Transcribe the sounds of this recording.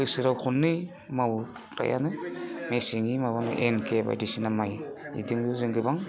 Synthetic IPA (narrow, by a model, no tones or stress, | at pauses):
ɯjsɯɾawkʰunːɯj | maw | ɾa̰jʔa̰nɯmesiŋimabaŋɯ̰ʔenkʰeba̰jdisinamajḭdɯŋjuzɯŋɡɯbaŋ